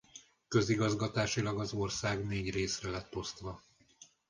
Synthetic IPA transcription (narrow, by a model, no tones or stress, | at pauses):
kø̞ziɡɒzɡɒt̪aːʃilɒɡɒzo̞rsaːɡneːɟreːsrɛlɛt̪ːo̞st̪ʋɒ